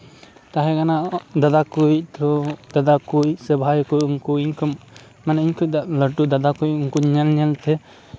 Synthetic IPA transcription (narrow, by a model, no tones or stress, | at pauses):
t̪aɦɛkanad̪ad̪akujc̚t̪ɔd̪ad̪akujsəbʱajkujuŋkuiɲkʰum | manaiɲkʰud̪aʔləʈud̪ad̪akujuŋkuɲɛlɲɛlt̪ɛ